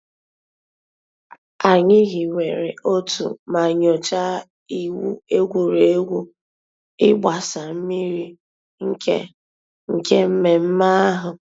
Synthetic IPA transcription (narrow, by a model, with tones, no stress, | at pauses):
a˨ɲɪ˦ɦi˨we˨ɾe˨ʔo˦tṵ˨ma˨ɲo˨t͡ʃa˦ | i˨wṵ˦e˦ɡʷu˨ɾe˨e˦ɡʷu˦ | ɪ˦ɡ͡ba˨sa˨m̩˦mi˦ɾi˦ | ŋ̩˦kḛ˦ | ŋ̩˨ke˦m̩˦me˨m̩˦ma˦a˦ɦʊ˨